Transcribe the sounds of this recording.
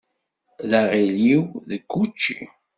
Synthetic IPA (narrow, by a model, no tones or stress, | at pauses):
ðaʁiliwðəkːut͡ʃːḭ